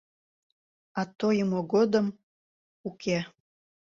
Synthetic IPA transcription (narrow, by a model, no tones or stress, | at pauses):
ɑt̪ojəmoɣod̪əm | ukʰe